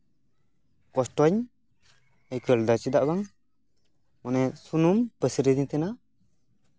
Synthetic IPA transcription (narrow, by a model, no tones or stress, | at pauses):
kɔsʈɔɲ | əjkəld̪at͡ʃid̪aʔbaŋ | mɔnɛsunumpəsiɾid̪iɲt̪ɛna